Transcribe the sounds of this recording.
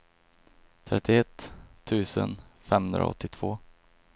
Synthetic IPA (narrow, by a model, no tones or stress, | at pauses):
t̪ʰɾɛt̪ːɪɛt̪ʰːʉ̟ːsənfɛmhɵnd̪ɾa̰ɔ̰t̪ːɪt̪ʰv̥oː